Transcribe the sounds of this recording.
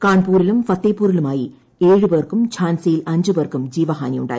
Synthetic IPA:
kaːɳpuːɾɪlɯmfɐt̪ːeːpːuːɾɪlɯmaːji | eːɻɯpeːrkɯmt͡ʃʰaːnsijɪlɐɲd͡ʒɯpeːrkːɯmd͡ʒiːʋɐɦa̰ːnijʊ̰ɳɖa̰ːj

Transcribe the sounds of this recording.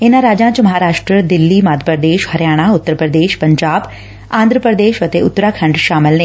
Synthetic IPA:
ɪnãɾaːd͡ʒãːt͡ʃməɦaːɾaːʃʈɾəd̪ɪlːiːmaːd̪ʱəpɾəd̪eːʃhəɾjaːɽ̃aːʊt̪ːəɾpɾəd̪eːʃpə̃ɲd͡ʒaːb | ãːnd̪ɾəpɾəd̪eːʃət̪eʊt̪ːɾaːkʰə̃ɳɖʃaːmɪlneː

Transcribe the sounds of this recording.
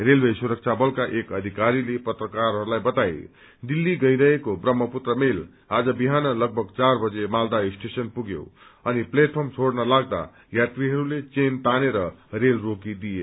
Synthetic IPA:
ɾelbesuɾək̚t͡ʃʰabʌlkaʔekʌd̪ʱikaɾilepʌt̪ɾəkaɾɦʌɾulajbʌt̪aj | d̪ilːiɡʌjɾʌɦekobɾʌmːʌput̪ɾəmel | ad͡zʌbiɦanʌlʌɡ̚bʱʌɡt͡saɾbʌd͡zemald̪aisʈesʌnpuɡjo̰ʌnipleʈ̚pʰəɾmt͡sʰoɽnʌlaɡd̪a̰ | jat̪ɾiɦʌɾulet͡sent̪aneɾʌɾelɾokid̪ije

